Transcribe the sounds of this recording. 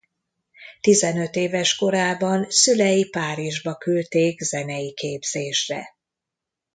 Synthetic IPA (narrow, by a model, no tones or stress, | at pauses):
t̪izɛnø̞t̪eːvɛʃko̞ɾaːbɒnsylɛjipaːɾiʒbɒkylt̪eːɡzɛnɛjikeːbz̥eːʃrɛ̰